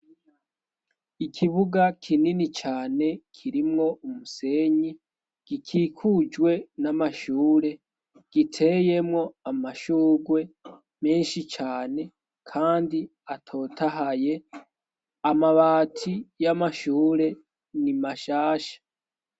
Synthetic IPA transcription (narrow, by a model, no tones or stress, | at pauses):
ikʰiβuɡakʰininit͡ʃaːne̞kʰiɾimŋo̞umuse̞ɲi | ɡ̥ikʰiːkʰud͡ʒwe̞namaʃuːɾe̞ | ɡ̥itʰeje̞mŋo̞amaʃuːɡwe̞ | me̞ːnʃit͡ʃaːne̞ | kʰaːndi | atʰo̞ːtʰaɦaje̞ | amaβaːtʰijamaʃuːɾe̞ | nimaʃaːʃḁ